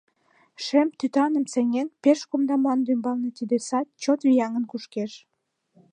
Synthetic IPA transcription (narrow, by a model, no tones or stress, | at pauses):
ʃemt̪yt̪ɑnəmseŋenpeʃkomd̪ɑmɑnd̪ymbɑlnet̪id̪esɑt̪̚t͡ɕot̪vijɑŋənkuʃkeʃ